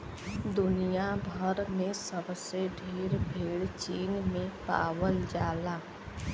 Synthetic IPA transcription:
d̪ʊnijabʱəɾmẽsəbseɖʱeːɾbʱeːɽt͡ʃiːnmẽpa̰ːwəld͡ʒaːlaː

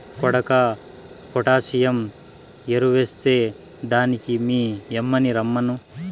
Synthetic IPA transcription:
kɔɽɐka | pɔʈaːsijɐm | jeɾuʋest͡seː | d̪aːnikimiːemːɐniɾɐmːɐnu

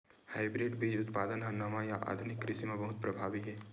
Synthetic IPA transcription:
haːɪbɾeːɖbiːd͡ʒʊt̪paːd̪ənɦãnɐmãjaʔa̰ːd̪ʱʊnɪkːɾɪsimẽbɐɦʊt̪̚pɾɐbʱaːʋiɦɛː

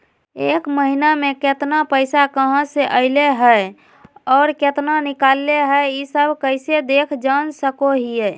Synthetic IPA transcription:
eːkməɦinamẽket̪napəɪsakəɦə̃seʔəɪleɦɛ | ɔːɾket̪nanɪkaːlːeɦɛeisəbʱkəɪsed̪eːkʰd͡ʒaːnsəkoɦije

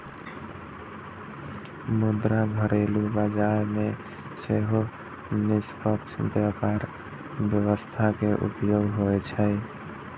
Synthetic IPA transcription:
mud̪ɾaɡʱəɾelubad͡ʒaɾme | seɦo | nispəkt͡ʃʰbjəkaɾ | bjəwəst̪ʰakeʔṵpjoɡɦojt͡ʃʰəj

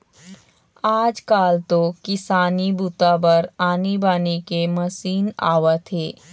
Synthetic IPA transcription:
aːd͡ʒkaːlt̪okɪsaːnibut̪abəɾaːnibaːnikemɐsiːna̰ːʋat̪ʰeː

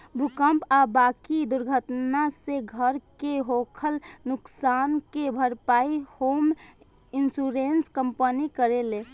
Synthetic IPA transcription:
bʱukəmpabakid̪ʊɾɡʱət̪naseɡʱəɾkeɦokʰəlnʊksaːnkebʱəɾpaihoːm | insuɾenskəmpənikəɾele

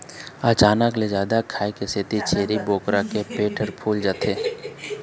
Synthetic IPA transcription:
ət͡ʃaːnəkled͡ʒaːd̪akʰaːekesɪt̪it͡ʃeːɾiboːkɾakepeːʈʰəɾpʰuːld͡ʒaːt̪ʰeː

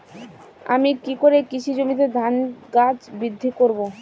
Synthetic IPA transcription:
a̰mikikoɾekit͡ɕʰid͡ʑomit̪̬ed̪ʱanɡat͡ɕbid̪ʱːikoɾbo

